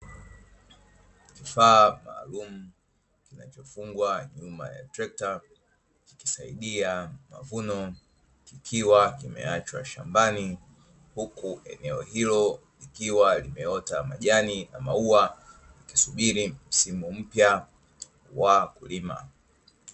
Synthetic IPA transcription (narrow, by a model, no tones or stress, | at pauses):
kifaːma̰ːlum̩ | kinat͡ʃɔfuŋɡwaɲuma̰ja̰tɾɛk̚ta | ki̥ki̥saḭɗiama̰vunɔ | kikʰiwakimɛ̰at͡ʃwa̰ʃambani | hukuʔɛ̰nɛɔhilɔ | likiwalimɛɔtama̰ʄanina̰maua | aki̥suɓiɾim̩simum̩pja | wakulima̰